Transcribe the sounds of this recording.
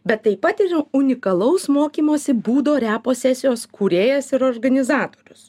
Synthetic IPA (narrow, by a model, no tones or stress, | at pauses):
bʲɛt̪ːɐɪpːɐt̪ɪɾʊnʲɪkɐlˠɐʊsmoːkʲiːmoːsʲɪbuːd̪oːɾʲæːpoːsʲæːsʲɪjoːskʰuːɾʲeːjɛsɪɾoːɾɡɐnʲɪzɑːt̪oːɾʲʊs